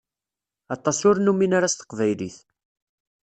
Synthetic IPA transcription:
ɑt̪ˤːɑsʊɾnuminaɾast̪ə̥qvæjlḭθ

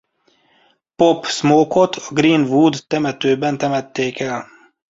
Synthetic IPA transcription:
pɔpːsmoːkʰɔt̪ʰɔ̥ɡɾiːnvuːd̪t̪ɛmɛt̪øːbɛnt̪ʰɛmɛt̪ʰːeːkʰɛl

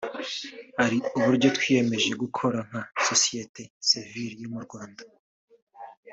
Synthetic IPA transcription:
haɾiuβuɾɟo̞twiːje̞me̞ʒe̞ɡukʰo̞ɾaŋ̥haso̞sije̞te̞siviɾijomuɾɡwaːnda

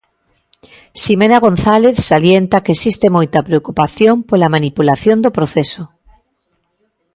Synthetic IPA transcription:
simenaɣ̞õnθaleθsaljent̪akesist̪emojt̪apɾeokupaθjompolamanipulaθjond̪opɾoθeso

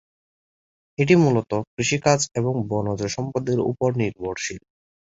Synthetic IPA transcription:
eʈ̬imulot̪okɾiʃikad͡ʑeβoŋbɔnod͡ʑeʃɔmpod̪eɾṵpoɾniɾbʱoɾʃil

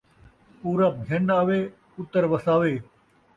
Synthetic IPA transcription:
puːɾaːbʱənaːʋeː | ʊt̪əɾʋəsaːʋeː

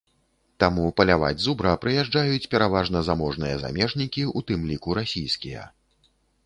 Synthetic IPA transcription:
t̪amupɐlʲava̰d͡zʲzubɾɐpɾɨjaʐd͡ʐajut͡sʲpʲɛɾavaʐn̪ɐzamɔʐnɨjɐ̰za̰mʲɛʐnʲikʲiut̪ɨmlʲikuɾasʲijskʲijɐ̰

